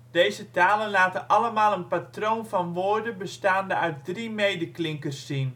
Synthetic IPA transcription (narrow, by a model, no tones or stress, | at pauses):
d̥ejzətaːlənlaːtəʔɑləmaːlˠənpatroːnfɑnʋoːrdəbəstaːndəœɥt̚drimejdəklɪŋkərsːin